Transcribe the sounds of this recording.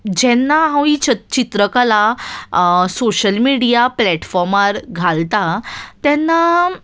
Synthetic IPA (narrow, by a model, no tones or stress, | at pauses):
d͡ʑɛnːaɦãwit͡ɕət͡ɕit̪ɾəkala | soɕəlmiɽijaplɛʈfɔɾmaɾɡʱalt̪at̪ɛnːa